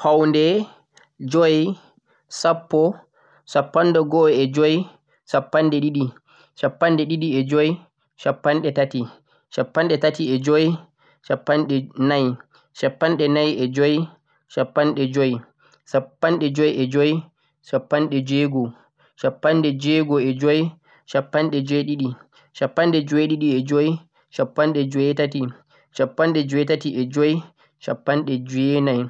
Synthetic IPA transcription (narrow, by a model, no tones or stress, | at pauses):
hawndɛ | d͡ʒoj | sapːɔ | sapːandɛɡɔɛd͡ʒoj | sapːanɗɛɗiɗi | ʃapːanɗɛɗiɗiɛd͡ʒoj | ʃapːanɗɛtati | ʃapːanɗɛtatiɛd͡ʒoj | ʃapːanɗɛnaj | ʃapːanɗɛnajɛd͡ʒoj | ʃapːanɗɛd͡ʒoj | ʃapːanɗɛd͡ʒɔjʔɛd͡ʒoj | ʃapːanɗɛd͡ʒeɡɔ | ʃapːanɗɛd͡ʒɛɡɔɛd͡ʒoj | ʃapːanɗɛd͡ʒɔjɗiɗi | ʃapːanɗɛd͡ʒɔjɗiɗiɛd͡ʒoj | ʃapːanɗɛd͡ʒɔjɛtati | ʃapːanɗɛd͡ʒɔjtatiʔɛd͡ʒoj | ʃapːanɗɛd͡ʒenaj